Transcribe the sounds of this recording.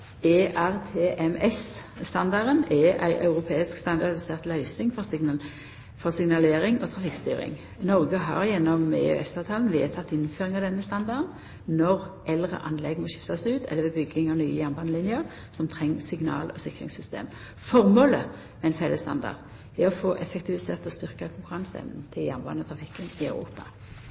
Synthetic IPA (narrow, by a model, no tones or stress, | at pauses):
eʔæʁt̪ʰeːʔɛmɛs | st̪ɑnd̪ɑɾənɛʔæ̰ɪʔɑʉʁʊpʰeːɪskst̪ɑnd̪ɑʁd̪ɪseːʁt̪lœʏsɪŋfɔs | fɔʁsɪŋnɑleːʁɪŋot̪ʰʁɑfɪkst̪yːʁɪ̰ŋ | nɔʁɡəɦɑ̰ʁjɛnːɔmḛːø̰ʔɛsɑʋt̪ʰɑːlnʋḛːt̪ʰɑt̪ːɪnføːʁɪŋɑʋd̪ɛnːəst̪ɑnd̪ɑdn | nɔʁʔɛlʁə̰ʔɑnlɛɡmɔʃɪft̪ɑsʉːt̪ʰɛ̰lːəʋɛbʏɡːɪŋɑnyːəjæʁmbɑnəlɪnjəʁ | sɔmt̪ʰʁɛŋːsɪɡnɑ̰ːlʔɔsɪkʁɪ̰ŋsʏst̪ḛːm | fɔʁmoːlə | mɛɪnfɛləst̪ɑ̰nd̪ɑ̰ʁd̪ | ɛɔfoːʔɛfɛkt̪ʰɪʋɪseːʁt̪ɔst̪ʏʁkɑkʰʊŋkʊʁɑŋsɛ̰mnn̩t̪ʰɪljæʁmbɑ̰nət̪ʰʁɑfɪkːənɪɑʉʁṵːpɑ